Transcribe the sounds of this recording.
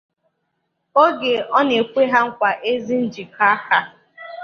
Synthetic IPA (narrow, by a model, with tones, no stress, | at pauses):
o˦ɡe˨ɔ˦ne˨kʷe˦ɦa˦ŋ̩˦kʷa˨ʔe˦zi˦n̩˦d͡ʒi˨ka˦ka˦